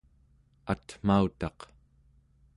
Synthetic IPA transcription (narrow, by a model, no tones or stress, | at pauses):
at̪m̥aut̪ɑq